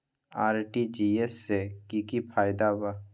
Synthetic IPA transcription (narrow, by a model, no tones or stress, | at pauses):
aːɾʈid͡ʒiesːekikipʰaːjd̪aba